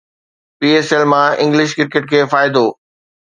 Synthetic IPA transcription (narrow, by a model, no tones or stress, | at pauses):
piːeːselmãɪ̰̃ŋɡlɪʃkɪɾkɪʈkʰeːfaːɪd̪oː